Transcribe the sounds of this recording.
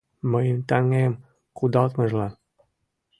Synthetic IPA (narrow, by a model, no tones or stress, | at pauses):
məjmt̪aŋem | kud̪ɑlt̪məʒlɑ